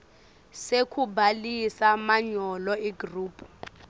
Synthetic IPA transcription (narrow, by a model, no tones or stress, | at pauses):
sekʰubalisamaɲɔlɔiɡruːpʰu